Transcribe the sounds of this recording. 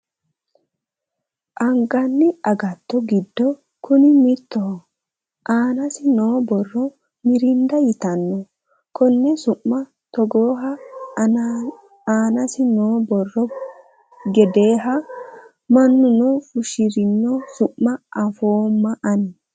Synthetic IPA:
ʔɐŋɡɐnːɪɐɡɐt̪ːɔɡɪd̪ːɔ | kʊnɪmɪt̪ːɔ | ʔaːnɐsɪnoːbɔrːɔ | mɪɾɪnd̪ɐjɪt̪ɐnːɔ | kɔnːɛsʊʔːɐ | t̪ɔɡoːɦɐ | aːnɐsɪnoːbɔrːɔ | ɡɛd̪e̞ːɦɐ | mɐnːʊnɔfʊʃɪɾɪnːɔsʊʔːɐʔɐfoːmːɐʔɐn

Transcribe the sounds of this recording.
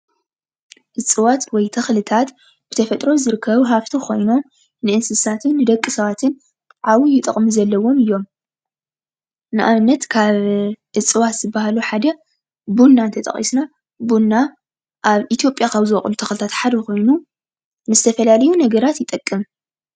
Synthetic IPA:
ʔɨt͡sʼɨwat̪wɔjt̪ʰɐxlɨt̪ʰat̪ | b̥ɨt̪ʰɐfɐt̪ʼɾo̞zɨɾɨkʰːɐβɨɦaft̪ʰikʰo̞jno̞m | nɨʔɨnsɨsat̪ʰɨnːɨd̪ɐkʼːɨsɐβat̪ʰɨn | ʔawujɪt̪ʼɐ̰χʼmizɐlːɐwo̞mɨjːo̞m | nɨʔaβɨnːɐt̪kʰaβʔɨt͡sʼɨwat̪z̥ɨbːaɦaluħad̪ɐ | bunːant̪ʰɐt̪ʼɐ̰χʼḭsna | bunːa | ʔaβʔit̪ʰjo̞pʼjakʰaβzɨɐχʼlut̪ʰɐxlɨt̪ʰat̪ħad̪ɐko̞jnu | nɨzɨt̪ʰɐfɐlalɐjunɐɡɐɾat̪jɪt̪ʼɐkʼːɨm

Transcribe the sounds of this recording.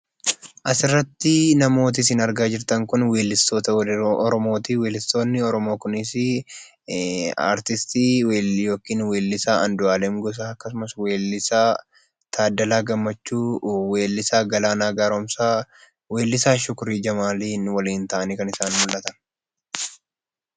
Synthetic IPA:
ʔɐsɪrːɐt̪ːɪnɐmo̞ːt̪̬ɪsɪnɐɾɡaːd͡ʒɪɾt̪ɐŋkʊnwe̞ːlːɪst̪oːt̪ɐʔɔɾɔmo̞ːt̪iːweːlɪst̪o̞ːnːɪɔɾɔmo̞ːkʊnɪs | a̰ːɾt̪ɪst̪iːwejo̞ːkiːnwe̞ːlːɪsaːʔɐnd̪ʊaːlɛmɡɔs̬aːɐkːɐs̬ʊmɐsweːlɪsaː | t̪ʰaːd̪ːɐlaːɡɐmːɐt͡ʃːuːweːlːɪsaːɡɐlaːnaːɡaːɾomsaː | we̞ːlːɪsaːʃʊkʊɾiːd͡ʒɐmaːliːnwɐliːnt̪ɐʔɐniːkɐnɪsaːnmʊlːɐt̪ɐn

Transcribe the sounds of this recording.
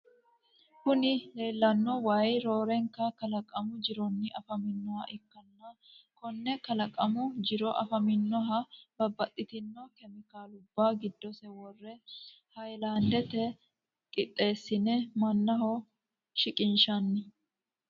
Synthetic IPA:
kʊnɪle̞ːlːɐnːɔwajɾoːɾɛŋkɐkɐlɐkʼɐmʊd͡ʒɪɾɔnːɪʔɐfɐmɪnːɔwɐʔɪkːɐnːɐ | kɔnːɛkɐlɐkʼɐmʊd͡ʒɪɾɔʔɐ̰fɐmɪnːɔɦɐbɐbːɐt̪ʼːɪt̪ɪnːɔkɛmɪkaːlʊbːaɡɪd̪ːɔsɛwɔrːɛ | hɐjlaːnd̪ɛt̪ɛ | kʼɪt̪ʼːe̞ːsːɪnɛmɐnːɐhɔ | ʃɪkʼɪnʃɐnːɪ

